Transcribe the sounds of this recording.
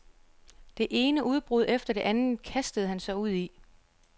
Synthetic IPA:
d̥e̝ʔe̝ːnəʔuð̞ˠb̥ʁuð̞ˠefd̥ɐd̥e̝ʔænð̩kʰæsd̥əð̩ˠɦænsɑ̈ɪuð̞̰ˠi

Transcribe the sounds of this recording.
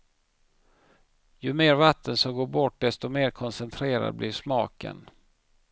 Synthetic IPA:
jɵmeːɾvat̪ʰːənsɔmɡoːɾbɔʈ̚ɖ̪ɛst̪ɔmeːɾkʰɔnsɛnt̪ʰɾeːɾa̰d̪̚blʔɪɾʂmɑ̰ːkə̰n

